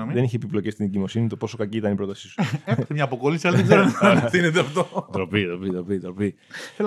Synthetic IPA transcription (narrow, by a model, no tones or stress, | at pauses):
ðeniçepiploce̞st̪ineɟimo̞sinit̪o̞po̞so̞kɐciit̪ɐnipɾo̞t̪ɐsi̥su̥epit̪emɲɐːpo̞ko̞lisiɐlɐðeɡzeonθinet̪eɐft̪ot̪ɾo̞pit̪ɾopit̪ɾo̞pit̪ɾo̞pi | el